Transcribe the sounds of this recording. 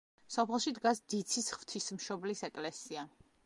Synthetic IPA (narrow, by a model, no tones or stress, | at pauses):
sɔpʰɛlˠʃid̪ɡasd̪it̪sʰisχv̥t̪ʰismʃɔblisɛkʼlɛsia